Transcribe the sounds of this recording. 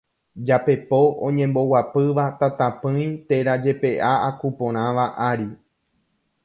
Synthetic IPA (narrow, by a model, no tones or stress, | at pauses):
d͡ʒape̞po̞ʔõ̰ɲẽ̞mbo̞wapɨʋat̪at̪ãpɨ̃j̃t̪e̞ɾad͡ʒe̞pe̞ʔaakupõ̞ɾ̃ãʋaʔaɾi